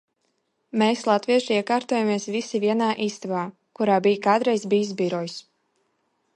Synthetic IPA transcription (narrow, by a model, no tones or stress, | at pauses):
meːslˠat̪viɛʃiɛkaːɾt̪oːjamiɛsvisivʲiɛnaːʔiːst̪avaː | kuɾaːbijkaːd̪ɾɛjzbiːjsbʲiɾɔjs